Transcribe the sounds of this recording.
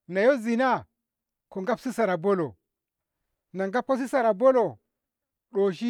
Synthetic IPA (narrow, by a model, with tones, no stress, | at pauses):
na˨jo˦zi˨na˦ | ko˨ŋɡa˦psi˦sa˨ɾa˨bo˦lo˨ | na˨ŋɡa˦p̚ko˦s̬i˦sa˨ɾa˨bo˦lo˨ | ɗo˨ʃi˦